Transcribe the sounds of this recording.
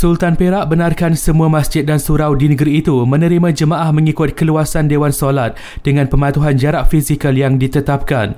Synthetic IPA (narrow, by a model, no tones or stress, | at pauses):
sult̪anpeɾaʔbənarkansəmũamasd͡ʒɪt̪̚dansuɾawdinəɡɾiːt̪umə̃nə̃ɾimãd͡ʒəmãʔahmə̃ŋikʊt̪̚kəluasandewansolat̪̚ | dəŋãnpəmat̪uɦand͡ʒaɾaʔfisikəljaŋdit̪ət̪ap̚ka̰n